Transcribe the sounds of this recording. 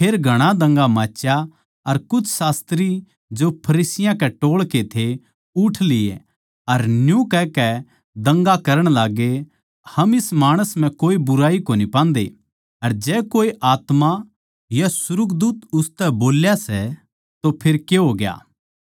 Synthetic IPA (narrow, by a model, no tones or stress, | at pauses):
pʰeːɾɡʱɐɽ̃ad̪ɐ̃ŋɡamaːt͡ʃja | ɐɾkʊt͡ʃʰsaːst̪ɾi | d͡ʒopʰɐɾiːsɪjãkɛʈoːɭket̪ʰe | ʊʈʰlɪḛ | ɐɾnjũkɛkɛ | d̪ɐ̃ŋɡakɐɾəɽ̃laːɡe | hɐmɪsmaːɽ̃əsm̤ɛ̃koːibʊɾaːikonipãːnd̪ḛ | ɐɾd͡ʒɛːkoːiʔaːt̪ma | jasʊɾʊkd̪uːt̪ʊst̪ɛboːljasɛ | t̪opʰeɾkeɦoːɡja̰ː